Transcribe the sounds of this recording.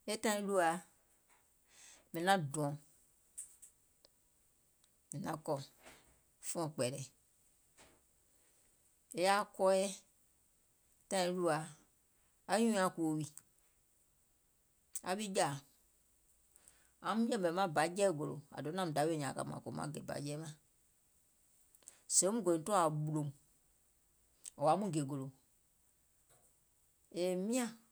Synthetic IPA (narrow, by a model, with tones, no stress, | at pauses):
e˦tã˦ĩ˦lu˦a˨ | mɛ̃˨nã˦dũ˨ɔ̃˨ | mɛ̃˨nã˦kɔ˨ | fɔ̃˨k͡pɛ˨ɾɛ˨ | e˦ja˦kɔ˦jɛ˦ | tã˦ĩ˨lu˦a˨ | a˦ɲũ˦a˨ku˨wi˨ | a̰˧ɓi˦d͡ʒa˨ | ã˧˦mũ˦d͡ʒɛ̃˦˨bɛ˨mã˦˨ba˨˦d͡ʒɛː˦˨ɡo˨lo̰˨a̰˨do˨˦nã˧mũ˨da˨˦we˦˨ɲãː˨ka̰˧˨mã̰ː˨ko̰˨mã̰˦ɡe˨ba̰˨˦d͡ʒɛː˦mã˨ | sẽ˨˦mũ˦ɡo˨ĩ˨˦tu˦a˨ɓu˧lõ˨m˨ | ɔ˨a˨˦mũ˦ɡe˨ɡo˨lo˨ | e˨mĩ˦ã˨